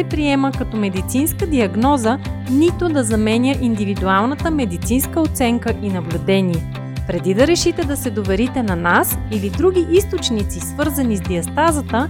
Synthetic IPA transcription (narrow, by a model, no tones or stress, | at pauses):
ɛpɾiɛməkɐt̪ɔmɛd̪it̪sinskəd̪iɐɡnɔzənit̪ʊd̪ɐzɐmɛnʲjəʔind̪ivid̪ualˠnət̪əmɛd̪it̪sinskəot̪sɛŋkəʔinɐblʲʊd̪ɛnʲiɛ | pɾɛd̪id̪ɐɾɛʃit̪ɛd̪ɐsɛd̪ovɛɾit̪ɛnɐnasilid̪ɾuɡ̟ʲiʔist̪ot͡ʃnit̪sisvɤɾzɐnizd̪iɐst̪azət̪ə